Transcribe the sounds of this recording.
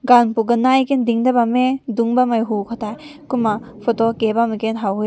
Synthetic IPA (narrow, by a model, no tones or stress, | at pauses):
ɡanpuɡɐnajkendiŋdabameduŋbamajɦukʰɔtʰajkuma | pʰɔtɔkebamikenɦawe